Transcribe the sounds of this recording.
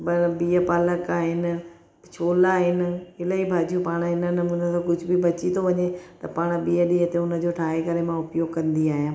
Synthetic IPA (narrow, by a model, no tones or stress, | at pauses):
bɐbiːəpaːləkaːɦɪnɪ̆ | t͡ɕʰoːlaːɦɪnɪ̆ɪləibʱaːd͡ʑijũpaːɽ̃ɦɪnənmunəsãːkʊd͡ʑʱʊbʱibɐt͡ɕit̪ʰoʋɐɲet̪ɐpaːɽ̃biːəɗiːət̪eʊnə̆d͡ʑoːʈʰaːɦekɐɾemãʊpjoːɡkɐ̃nd̪iaːɦijãː